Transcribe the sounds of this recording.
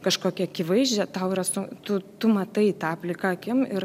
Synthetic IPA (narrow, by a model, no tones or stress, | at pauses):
kɐʃkoːkʲɛɐkʲɪʋɐɪʒʲd͡ʒʲɛt̪ɐʊɪɾɐsʊt̪ʊt̪ʊmɐt̪ɐɪt̪ɑːpʲlʲɪkɐɐkʲɪmɪr